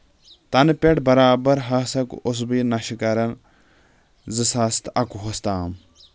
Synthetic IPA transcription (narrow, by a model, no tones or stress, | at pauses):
t̪ɐnpʲeʈbɐɾaːbɐɾɦɐsɐkos̬binɐʃikɐɾɐn | zɨsast̪ɐkuɦost̪aːm